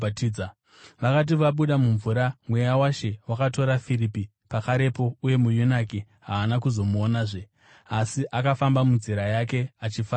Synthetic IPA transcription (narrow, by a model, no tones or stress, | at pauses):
tː | ʋakat̬iʋaɓuɗamuɱvuɾamwe̞jawaʃe̞wakato̞ɾafiɾipi | pakaɾe̞po̞uje̞mujunaki | ɦaːnakuzo̞muonaːʐe | asiʔakafambamunziɾajake̞at͡ʃifa